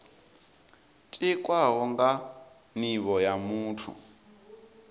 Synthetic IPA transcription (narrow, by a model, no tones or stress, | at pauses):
tʼikʼwaɦɔŋɡa | niβɔjamuːtʰṵ